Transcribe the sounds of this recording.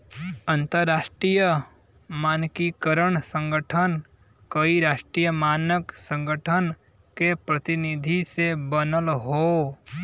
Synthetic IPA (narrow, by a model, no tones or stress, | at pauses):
ə̃nt̪əɾːaːʃʈɾijə | maːnkikəɾəɳsə̃ŋɡəʈʰən | kəiɾaːʃʈɾijəmaːnəksə̃ŋɡəʈʰən | kepɾət̪ɪnɪd̪ʱisebənəlɦo